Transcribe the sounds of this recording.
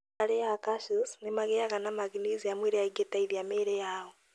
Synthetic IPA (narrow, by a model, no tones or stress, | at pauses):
alejakaʃusnimaɣejakanamaɡiniziamwiɾejaiɡetaiðjameɾejawo